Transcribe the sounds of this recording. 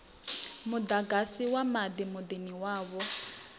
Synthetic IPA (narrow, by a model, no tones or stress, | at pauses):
mʊd̪aɡasiwamad̪imʊd̪eniwaːβɔ